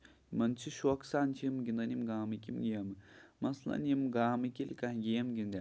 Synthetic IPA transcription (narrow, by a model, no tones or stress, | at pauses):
mɐnt͡ʃʰiʃuɐksaːnt͡ʃʰimɡʲind̪ɐnʲimɡaːmɨkʲimɡijamɨmɐslɐ̰nʲimɡaːmɨkʲilʲkaɡijɐmɡʲind̪ʲa